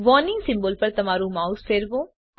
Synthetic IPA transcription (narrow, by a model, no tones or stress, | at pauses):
ʋɔːnɪ̃ŋɡsɪ̃mbəlpɐɾt̪ɐmaːɾũːmaːuspeɾʋõː